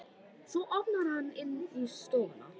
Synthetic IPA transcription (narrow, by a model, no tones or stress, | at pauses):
sɔʔɔpnaɾhanɪnːist̪oːna̰